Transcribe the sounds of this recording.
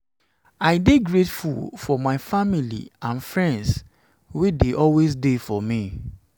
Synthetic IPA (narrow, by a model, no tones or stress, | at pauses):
aɪdeɡɹetfṵlfɔmaɪfamilḭãnfɹɛ̃nds | wedeʔɔlwesdefɔmi